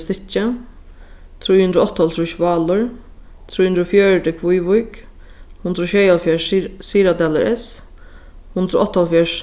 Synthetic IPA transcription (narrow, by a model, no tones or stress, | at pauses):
st̪ɪt͡ʃːə | t̪ʰɾujhund̪ɾʊɔht̪ːɔlt̪ʰɾuʃvɑːlʊɹ | t̪ʰɾujhund̪ɾʊfjœːɹd̪ɪkʰʋujʋʊjk | hʊnd̪ɾʊʃɛːjalfjɛsiːɾad̪ɛlɛɾʔɛs | hʊnd̪ɾʊʔɔht̪ːalfjɛɹ